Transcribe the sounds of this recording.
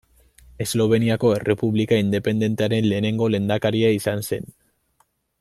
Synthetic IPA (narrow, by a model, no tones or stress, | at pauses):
e̞zlo̞β̞e̞niako̞e̞re̞puβlikaind̪e̞pe̞nd̪e̞nt̪e̞aɾe̞nle̞ːne̞ŋɡo̞le̞ːnd̪akaɾiaisanse̞̰n